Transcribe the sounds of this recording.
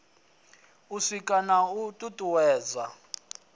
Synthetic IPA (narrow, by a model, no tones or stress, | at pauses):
usikʼanautʼutʼuwɛːd͡za